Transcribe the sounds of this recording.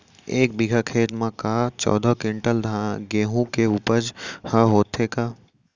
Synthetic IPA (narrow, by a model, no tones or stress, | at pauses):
eːk̚bɪɡʱakʰeːt̪mãkaːt͡ʃɔ̰ːd̪ʱɔkɪ̃ɳʈəld̪ʱaɡeːɦũkeupəd͡ʒhəɦoːt̪ʰekaː